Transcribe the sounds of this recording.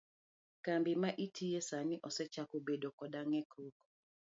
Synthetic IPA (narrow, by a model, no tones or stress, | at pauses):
kambɪmaʔitʰijesaniʔɔsɛt͡ʃakobedokɔdaŋɛkɾuk